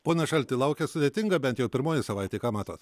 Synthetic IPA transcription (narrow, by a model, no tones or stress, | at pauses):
poːnʲɐʃɐlʲt̪ʲɪlˠɐʊkʲɛsʊd̪ʲeːt̪ʲɪŋɡɐbʲɛnt̪jɛʊpʲɪɾmoːjɪsɐʋɐɪt̪ʲeːkɑːmɑːt̪oːt̪